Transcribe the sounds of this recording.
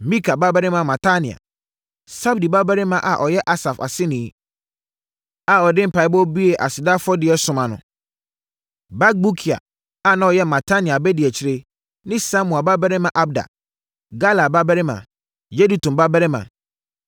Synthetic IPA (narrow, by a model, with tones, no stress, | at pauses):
mĩ˦kʰa˨ba˦bɛ˦ɾɪ˦mã˨mã˨tʰa˦nɪ̃˨a̰˨ | sa˦bdi˨ba˦bɛ˦ɾɪ˦mã˨ʔa̰˨ʔɔ˨jɛ˦ʔa˦sa˨fa̰˨sɪ˦nĩ˨˦ | a˨ɔ˨dɪ̃˦m̩˨pa˨˦ɪ˦bɔ˦bi˦e˨ʔa̰˨sɪ˨da˦fʊ˦ɔ˦dɪ˨ɛ˦sʊ̃˨mã˨nʊ̰̃˨ | ba˦ɡ̚bu˦kʰi˨a̰˨ | a˨nã˨˦ɔ˨jɛ˦mã˨tʰa˦nɪ̃˨a˨bɛ˦dɪ˨ɛ˨t͡ɕʰɪ˦ɾe˦ | nɪ̃˦sa˦mũ˨a˨ba˦bɛ˦ɾɪ˦mã˨ʔa˦b̚da̰˨ | ɡa˦la˨ba˦bɛ˦ɾɪ˦mã̰˨ | je˦di˨tũ˨mba˦bɛ˦ɾɪ˦mã̰˨